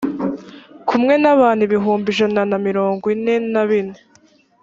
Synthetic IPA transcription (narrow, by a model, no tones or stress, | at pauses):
kʰumŋe̞naβaːn̥uβiɦuːmbiʒananamiɾo̞ːŋɡinennaβine